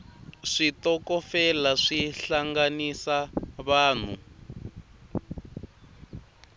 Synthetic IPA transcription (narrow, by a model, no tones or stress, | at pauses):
ʂitɔkɔfɛlaʂiɬaŋɡanisaβaːn̤ṵ